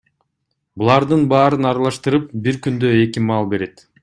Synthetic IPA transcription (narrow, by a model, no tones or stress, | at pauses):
bulˠɑɾd̪ɯnbɑːɾɯnɑɾɑlˠɑʃt̪ɯɾɯp̚biɾkynd̪øe̞kimɑlˠbe̞ɾe̞t̪